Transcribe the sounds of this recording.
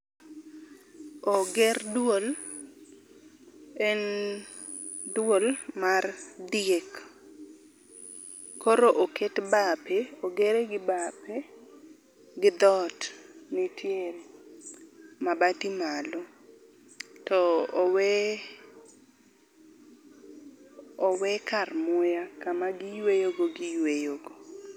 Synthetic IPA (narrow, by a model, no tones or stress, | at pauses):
oɡɛrdwol | ɛn | dwolmard̪ɪek | koɾoʔoketbapeoɡeɾeɡɪbape | ɡɪd̪ɔtnitjeɾ | mabatimalɔ | tɔːwɛ | ɔwɛkarmʊjakamaɡɪjwejoɡoɡɪjwejoɡo